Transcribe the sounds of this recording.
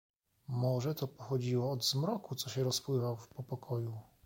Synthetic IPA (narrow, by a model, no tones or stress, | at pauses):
mɔʐɛt̪ɔpɔxɔd͡ʑiwɔːd̪zmɾɔkut̪sɔɕɛɾɔspwɘvawfpɔpɔkʰɔju